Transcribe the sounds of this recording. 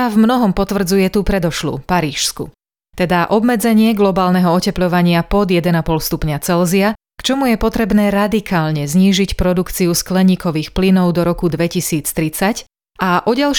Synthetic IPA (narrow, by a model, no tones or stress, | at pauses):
avmnɔɦɔmpɔt̪ʋr̩d͡zujɛt̪upɾɛd̪ɔʃlṵːpaɾiːʃskṵ | t̪ɛd̪aʔɔbmɛd͡zɛɲɪɛɡlɔbaːlnɛɦɔɔcɛplɔʋaɲɪapɔd̪jɛd̪ɛnapɔlst̪upɲat͡sɛlzia | kt͡ʃɔmujɛpɔt̪ɾɛbnɛːɾad̪ikʰaːlɲɛzɲiːʒicpɾɔd̪ukt͡siusklɛɲiːkɔʋiːxplinɔʊd̪ɔɾɔkud̪ʋɛcisiːt͡st̪ɾit͡sac | ʔaʔɔɟalʃ